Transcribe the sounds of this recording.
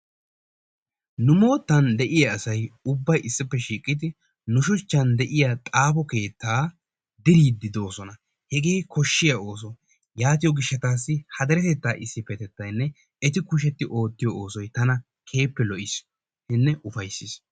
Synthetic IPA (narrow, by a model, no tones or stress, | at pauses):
nʊmo̞ːt̪ːɐnd̪ɛʔɪjɐːsɐjʊbːɐjʔɪsːɪpːɛʃiːkʼːɪd̪ɪ | nʊʃʊt͡ʃːɐnd̪ɛʔɪjat̪ʼaːpɔke̞ːt̪ːaː | d̪ɪɾiːd̪ɪd̪o̞ːsɔnɐ | hɛɡeːkɔʃːɪjɐo̞ːs̬ɔ | jaːt̪̬ɪjɔɡɪʃːɐt̪aːsːɪhɐd̪ɐɾɛt̪ɛt̪ːaːʔɪsːɪpːɛt̪ɛt̪ːɐjnːɛ | ɛt̪ɪkʊʃ̬ɛt̪ːɪʔo̞ːt̪ːɪjɔoːsɔjt̪ɐnɐ | kʰe̞ːpːɛlɔʔɪs | hɪnːɛʔʊfɐjsːɪs